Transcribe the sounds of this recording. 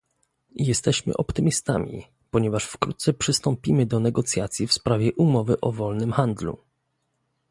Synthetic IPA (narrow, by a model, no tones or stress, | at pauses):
jɛst̪ɛɕmɘ̰ʔɔpt̪ɘmʲist̪a̰mʲḭ | pɔɲɛvaʂfkɾṵt̪t̪sɛpʂɘst̪ɔmpʲimɘd̪ɔnɛɡɔt̪sʲjat̪sʲjifspɾavʲjɛʔumɔvɘʔɔvɔlnɘmxand̪lṵ